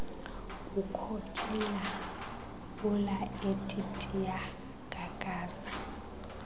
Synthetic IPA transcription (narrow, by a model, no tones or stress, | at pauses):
ukʰokʰʼila | ulaetʼitʼija | kʼakʼaːzḁ